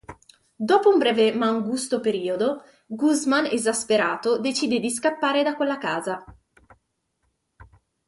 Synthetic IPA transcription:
d̪ɔːpoumbɾɛːvemaŋɡust̪opeɾiːod̪o | ɡuzmanezaspeɾaːt̪od̪et͡ʃiːd̪ed̪iskapːaːɾed̪akwelːakaːza

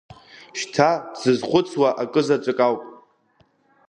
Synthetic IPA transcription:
ʃtʰazɨzχʷʊt͡sʰwaʔakʼɨzat͡ʃʷʼɨkʼawpʼ

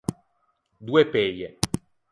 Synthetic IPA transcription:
d̪uːepeʎːe

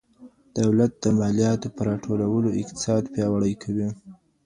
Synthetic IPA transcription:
d̪̥awlat̪̚d̪̥əmɑlijɑt̪opəɾɑʈʰolawəloɪq̚t̪ɪ̥sɑd̪pjɑwaɽəjkʰawi

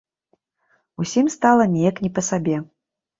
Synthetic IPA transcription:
usʲimst̪alˠɐnʲijɐknʲipɐsabʲɛ

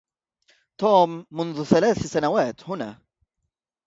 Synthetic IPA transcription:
t̪oːmːʊnðʊθalaːθsanawaːt̪hʊna̰ː

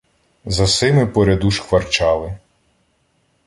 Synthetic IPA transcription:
zɐsɪmɪpɔɾʲɐd̪uʃxʋɐrt͡ʃɑlˠɪ

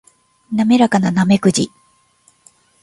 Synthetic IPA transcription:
name̞ɾakananame̞kɯ̟d͡ʑi

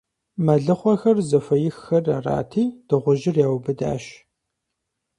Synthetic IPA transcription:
mɐɮɨχʷɔxɐrzɐfɐjɪxːɐrɐra̰ːtʰiːd̥ɨʁʷʊʒɪrjaːwbɨda̰ːʃ

